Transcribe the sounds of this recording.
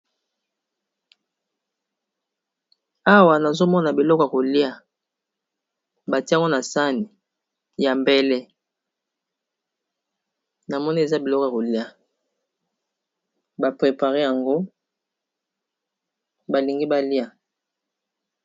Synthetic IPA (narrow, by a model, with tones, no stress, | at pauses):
a˦wa˨na˨zo˦mɔ˦na˨bi˨lɔ˦kja˨ko˨li˦a˦ | ba˨ti˦˨ŋɡo˦na˨sa˦ni˨ | ja˨mbɛ˦lɛ˦ | na˨mɔ˦ni˦e˨za˦bi˨lɔ˦kɔ˨ja˨ko˨li˦a˦ | ba˨pʁe˨pa˨ʁe˦ja˨ŋɡo˦ | ba˨li˨ŋɡi˦ba˦li˦a˨